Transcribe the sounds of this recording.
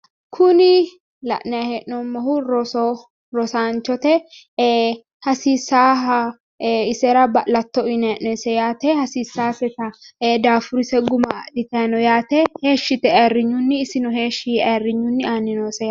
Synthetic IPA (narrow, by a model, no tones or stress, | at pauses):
kʰʊnɪ | lɐ̰ʔnɛjɐhɛʔnɔmːɐhʊɾɔsɔ | ɾɔsaːnt͡ʃɔt̪ɛ | hɐsiːsaːɦɐ | ɪsɛɾɐbɐʔlɐt̪ːɔɪnɛʔɛsɛjaːt̪ɛhɐsiːsːaːfɛt̪ɐd̪aːfʊɾɪsɛɡʊmadɪt̪ɛɐnɔjaːt̪ɛheːʃːɪt̪ɛerːɪɲːʊnːɪːsɪnʊhe̞ːʃɪerːɪɲːʊnːɪanːɪnɔsɛj